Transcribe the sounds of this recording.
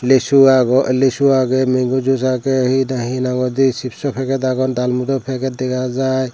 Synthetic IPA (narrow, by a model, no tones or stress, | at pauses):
lesuaɡɔlesuaɡɛmeŋɡud͡ʒusakɛɦinaɦinaɡɔd̪isipʰsɔpʰɛkɛt̪aɡɔnd̪almud̪ɔpʰɛkɛt̪̚d̪ɛkʰad͡ʒaj